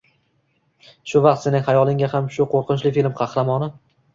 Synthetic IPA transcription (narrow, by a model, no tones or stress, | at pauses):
ʃʊvɑq̚t̪se̞nɪŋʲhajɒlˠɪŋɡʲahamʃʊqʰoɾqʰɨnt͡ʃlɪfilmqʰɑhɾamɒnɪ